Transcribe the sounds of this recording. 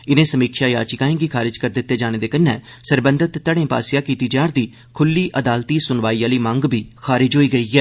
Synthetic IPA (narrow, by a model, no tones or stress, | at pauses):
ɪnẽːsəmiːkʰjaːjaːt͡ʃɪkaːẽːɡiːkʰaːɾɪd͡ʒkəɾd̪ɪt̪ːeːd͡ʒaːɽ̃eːd̪eːkənːɛːsəɾbə̃nd̪ət̪ːəɽẽːpa̰ːsɪjaːkiːt̪iːd͡ʒaːɾd̪iː | kʰʊlːiːʔəd̪aːlt̪iːsʊnʋaːiːaːliːmãŋɡbʱiːxʰaːɾɪd͡ʒɦoːiːɡəiːɦɛː